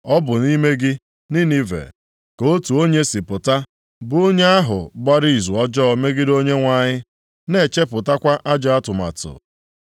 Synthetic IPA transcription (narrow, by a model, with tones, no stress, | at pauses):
ɔ˦bʊ˨ni˦me˦ɡɪ˦ | ni˦ni˦vḛ˨ | ko˦tu˨o˦ɲe˦si˨pʊ˨ta˦ | bʊ˨o˦ɲe˦a˦ɦʊ̰˨ɡ͡ba˦ɾi˦i˨zu˨ɔ˦d͡ʒɔː˦˨me˦ɡɪ˦do˦ɲe˦ŋʷa˨ɲɪ˦ | ne˨t͡ʃe˦pʊ˨ta˦kʷa˦ʔa˦d͡ʒa˨a˦tʊ˨ma̰˨tʊ̰˨